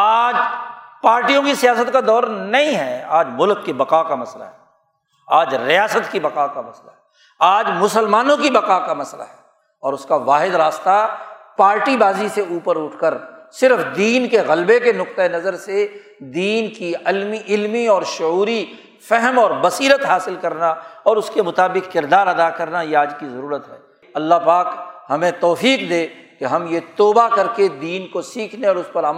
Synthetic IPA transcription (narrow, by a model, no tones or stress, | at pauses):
aːd͡ʒpaːɾʈijõkisijaːsət̪kad̪ɔːɾnɐɦĩɦɛːaːd͡ʒmʊlkːibɐqaːkamɐsla̰ɦɛː | aːd͡ʒɾɪjaːsət̪kibɐqaːkamɐsla̰ɦɛ | aːd͡ʒmʊsəlmaːnõkibɐqaːkamɐsla̰ɦɛː | ɔːɾʊskaʋaːɦɪd̪ɾaːst̪apaːɾʈibaːziseuːpəɾʊʈʰkəɾsɪɾfd̪iːnkeɣɐlbekenʊqt̪aenɐzəɾse | d̪iːnkiɪlmiɪlmiɔːɾʃʊuːɾi | fɛɦɛmɔːɾbɐsiːɾət̪ɦaːsɪlkɐɾnaɔːɾʊskemʊt̪aːbɪkːɪɾd̪aːɾɐd̪akɐɾnajeaːd͡ʒkizɐɾuːɾət̪ɦɛː | ɐlːapaːkɦɐmẽt̪ɔːfiːqd̪eːkeɦɐmjet̪oːbakɐɾked̪iːnkosiːkʰneɔːɾʊspɐɾaːm